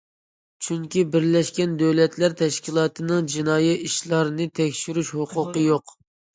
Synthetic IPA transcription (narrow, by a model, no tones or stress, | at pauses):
t͡ʃʰyŋkʲibɪɾlɛʃkʲɛnd̪øwlɛt̪læɾt̪ʰɛʃkʲilˠɑːt̪ʰɨnɨŋd͡ʒinɑːjiiʃlˠɑɾnɨt̪ʰɛkʲʃyɾyʃhʊqʰʊqəjoq